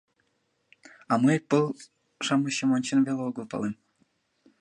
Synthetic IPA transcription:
ɑmɨpɤlˠ | ʂɑmɤ̆ɕɤ̆monʲt͡ɕĕnvelʲeuɡɤ̆lˠpɑ̰lˠem

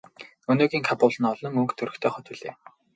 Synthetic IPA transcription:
ɵnoːɣʲiːŋkʰapʊːɮə̆nɔɮɞ̆ŋɵŋkt̪ʰɵɾɵ̆kt̪ʰœːχɔt̪uɮeː

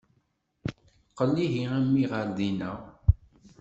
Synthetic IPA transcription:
qəlːiɦiæmːiʁəɾðinæ

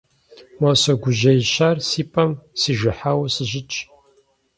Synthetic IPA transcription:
mɐsɐɡʷʊʒɐjɕaːrsiːpʼɐmsiːʒɪħawsɨʑɪt͡ʃʼ

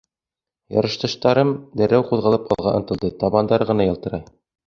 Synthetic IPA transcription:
jɑ̰ɾɤ̆ʃt̪ɤ̆ʃt̪ɑɾɤmd̪æɾæwquðʁɤlˠɤpɑ̰lˠʁɑʔɤ̆t̪ɤ̆lˠd̪ɤt̪ɑβɑnd̪ɑɾʁɤ̆nɑjɤ̆lˠt̪ɤ̆ɾɑj

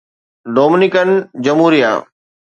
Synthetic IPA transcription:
ɖoːmɪnɪkənd͡ʑɐmɦuːɾija̰ː

